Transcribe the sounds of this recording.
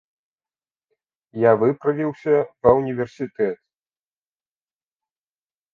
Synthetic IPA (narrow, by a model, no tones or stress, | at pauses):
javɨpɾɐvʲiwsʲɐpɐunʲivʲɛrsʲit̪ɛt̪